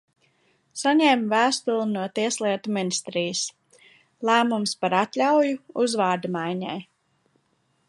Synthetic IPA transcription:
saɲɛmvæːst̪ulˠinuɔt̪iɛslˠiɛt̪uminist̪ɾijəs | lˠæːmumspaɾat̪lʲawjuuzvaːɾd̪amajɲɛ̰j

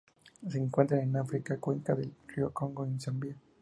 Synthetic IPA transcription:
seːŋkwent̪ɾanenafɾikakweŋkaðelriokoŋɡoensambia

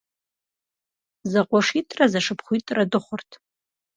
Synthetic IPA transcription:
zaqʷʼaʂitʼrazaʂɨpʰχʷitʼradɨχʷʊrtʰ

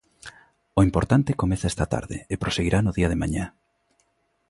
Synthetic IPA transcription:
ʊimpoɾt̪ant̪ɪkomeθaest̪ɐt̪a̰ɾðɪ̰epɾoseɣiɾʔanʊðiɐðɪmaɲa

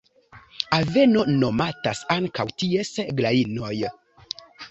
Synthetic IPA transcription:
ave̞no̞no̞matasaŋkawtie̞sɡlaino̞j

